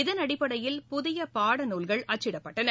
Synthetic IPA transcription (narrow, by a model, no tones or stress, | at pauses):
ɪðɐnɐɽɪpːɐɽɐjɪlpʊðɪjɐpaːɽɐnuːlɣɐɭʔɐt͡ʃːɪɽɐpːɐʈːɐnɐ